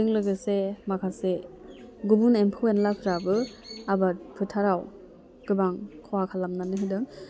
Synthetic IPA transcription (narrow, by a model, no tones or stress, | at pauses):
ɯŋlɯɡɯsemakʰase | ɡubunempʰɯwenlakʰɯɾabɯabat̚pʰɯtʰaɾaw | ɡ̥ɯbaŋkʰɔwakʰalamnanɯɦidɯŋ